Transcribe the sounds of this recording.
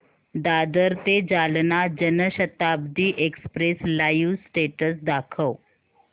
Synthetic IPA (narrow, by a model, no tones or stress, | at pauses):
d̪ad̪əɾt̪ed͡ʑalnad͡ʑənəɕət̪abd̪iːʔekspɾeslajusːʈeʈəsd̪akʰəw